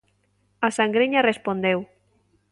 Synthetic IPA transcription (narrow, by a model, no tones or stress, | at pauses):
asaŋɡɾeɲarespond̪ew